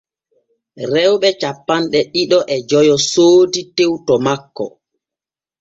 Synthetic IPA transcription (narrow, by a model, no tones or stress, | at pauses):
ɾɛwɓɛt͡ʃapːanɗɛɗiɗɔʔɛd͡ʒɔjɔsoːditewtɔmakːɔ̰